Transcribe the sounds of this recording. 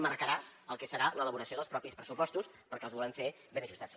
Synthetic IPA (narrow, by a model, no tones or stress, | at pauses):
məɾkəɾaəlˠkɛsəɾalələβuɾəsioðəlˠspɾɔpispɾəsupɔst̪us | pəɾkɛlˠzβɔləɱfe | benəʒust̪at͡s